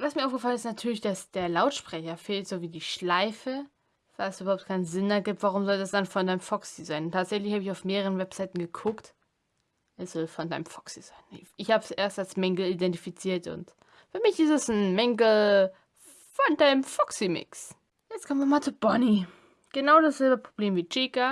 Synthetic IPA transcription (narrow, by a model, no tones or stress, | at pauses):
vasmiɐaʊfɡ̥əfalənɪstnatʰyːɐlɪçd̥asd̥eːɐlaʊtʃpʁ̥ɛçɐfeːltz̥oːviːdiːʃlaɪfə | v̥aɛsʔybɐhaʊp̚t̚kʰaɪnzɪndaɡiːp̚tv̥aʁ̞ʊmzɔldasd̥anfɔndaɪnəmfɔksizaɪnʊntʰaːtz̥ɛçlɪçhaːbɪçaʊfmeːʁəʁənvɛpz̥aɪtn̩ɡəkʰʊkt | ʔɛsz̥ɔlfɔndaɪnəmfɔ̥ksiz̥aɪnʔɪçhaːbəsʔeːɐstalsmɛŋɡl̩idɛntifit͡siːɐtʊ̰nt | fyːɐmɪçɪstɛsn̩mɛŋɡl̩ | fɔndaɪnəmfɔksimɪ̰ks | jɛt͡stkʰɔmənviɪɐmaːlt͡subɔni | ɡ̥ənaʊdasz̥ɛlbəpʁ̥obleːmviːt͡ʃika